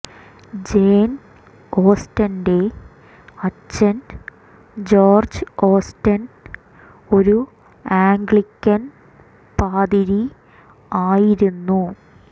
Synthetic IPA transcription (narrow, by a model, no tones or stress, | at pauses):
d͡ʑeːn | o̞ːstɐnde̞ | ɐt͡ɕːɐn | d͡ʑo̞ːrd͡ʑɨo̞ːstɐn | o̞ɾu | aːŋɡɭikʲːɐn | paːd̪iɾi | aːjiɾunːu